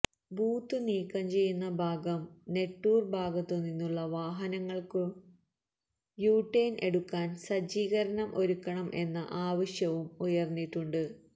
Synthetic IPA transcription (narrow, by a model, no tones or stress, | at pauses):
buːt̪ːɨniːkːɐmt͡ɕe̞jːunːɐbʱaːɡɐmne̞ʈːuːrbʱaːɡɐt̪ːuninːuɭːɐʋaːɦɐnɐŋːɐɭkɨ | juːʈːeːnʔe̞ɽukːaːnsɐd͡ʑiːɣɐɾɐnɐmʔo̞ɾukːɐɳɐmʔe̞nːɐʔaːʋɐɕjɐʋumujɐrnːiʈːuɳɖɨ